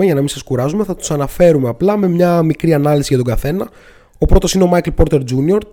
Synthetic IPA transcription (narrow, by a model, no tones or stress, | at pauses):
eʝɐnɐmĩsɐskuɾɐzume̞θɐt̪u̥sɐnɐfe̞ɾumeɐplɐme̞mɲɐmikɾiɐnɐlisiʝɐt̪o̞ɡɐθe̞nɐ | o̞pɾo̞t̪o̞sineo̞mɐjklpo̞ɾt̪e̞ɾd͡ʒunio̞ɾ